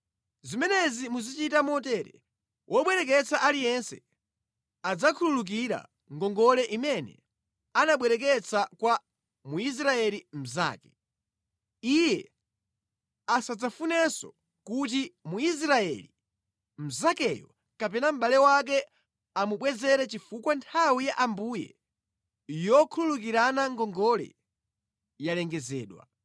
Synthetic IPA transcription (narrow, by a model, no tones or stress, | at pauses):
zimɛnɛzimuzit͡ʃitamɔtɛɾɛ̰ | wʔɔɓwɛɾɛk̬ɛt͡saʔalijɛnsɛ̰ | ad͡zakʰululuk̬iɾa̰ | ŋɡɔŋɡɔlɛʔimɛnɛ̰ | anaɓwɛɾɛk̬ɛt͡sʰakwa | muis̬ɾaɛlim̩za̰ːkɛ | ijɛ | asad͡zafunɛsɔ̰ | kut̬imuis̬ɾaɛ̰li | m̩zakɛjɔ | kapɛnam̩ɓalɛwak̬ɛ | amuɓwɛzɛɾɛt͡ʃifukwantʰawijaʔambujɛ̰ | jɔkʰululukiɾanaŋɡɔŋɡɔlɛ̰ | jalɛŋɡɛzɛ̰ːɗwa̰